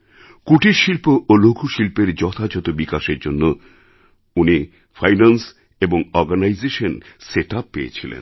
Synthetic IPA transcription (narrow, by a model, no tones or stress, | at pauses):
kuʈiɾʃilpoʔolokʰuʃilpeɾd͡ʑɔt̪ʰad͡ʑɔt̪obikaʃeɾd͡ʑonːo | uni | fʰajnans | eboŋɔɾɡanajzeʃonseʈapːeḛt͡ɕʰilḛn